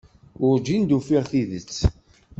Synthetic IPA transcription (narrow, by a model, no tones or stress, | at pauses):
ʊɾd͡ʒind̪ufiʁθiðət͡sː